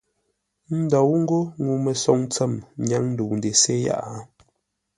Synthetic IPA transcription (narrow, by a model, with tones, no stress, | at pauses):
n̩˦dɔ˨wŋ̩˦ɡo˦ŋu˨mə˨sɔ˨ŋt͡sə˦˨mɲa˨˦ŋn̩˦du˨n˨de˨se˦ja̰˦ʔa˦